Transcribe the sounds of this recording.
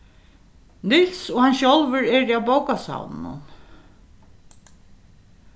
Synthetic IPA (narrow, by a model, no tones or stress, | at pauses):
nɪlsɔhanʃolvəɹɛɹiawbowkasa̰wnnʊ̰n